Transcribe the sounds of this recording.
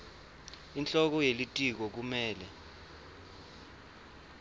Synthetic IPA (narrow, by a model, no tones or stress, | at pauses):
int͡ɬʼɔk̬ɔjelitʼik̬ɔk̬umɛːlɛ